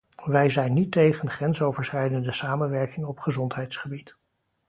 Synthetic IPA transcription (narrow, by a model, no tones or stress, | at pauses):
ʋɛjzɛjnːitːejχənχrɛnsowvəɹsχɛjdəndəsaːmənʋɛɹkɪŋɔpχəzɔntɦɛjtsχəbit